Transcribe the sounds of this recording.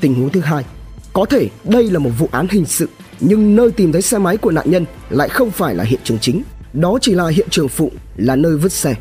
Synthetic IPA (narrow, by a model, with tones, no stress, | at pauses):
t̪ï˨˩ŋ̟hu˨˦ŋt̪ʰɨ˨˦ɦaː˧j | kɔ˨˦t̪ʰe˧˩ɗə˧jlaː˨˩mo˨˩t̚vṵ˧˨ʔaː˨˦nɦï˨˩ŋ̟sɨ̰˧˨ | ɲɨ˧ŋnəː˧jt̪i˨˩mt̪ʰə˨˦jsɛ˧ma˨˦jku˧˩əna̰ː˧˨ɲə˧n | la̰ː˧˨jxə˧wŋ͡mfaː˧˩jlaː˨˩ɦḭ˧˨ənt͡ɕɨ˨˩əŋt͡ɕï˨˦ŋ̟ | ɗɔ˨˦t͡ɕi˧˩laː˨˩ɦḭ˧˨ənt͡ɕɨ˨˩əŋfṵ˧˨ | laː˨˩nəː˧jvɨ˦˥ət̚sɛ˧˩